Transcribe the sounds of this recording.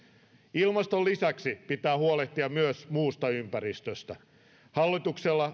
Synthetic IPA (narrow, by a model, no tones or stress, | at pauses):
ilmɑst̪olːisæksipit̪æːhuoleht̪iɑmyøsmuːst̪ɑympærist̪øst̪æ | hɑlːit̪ukselːɑ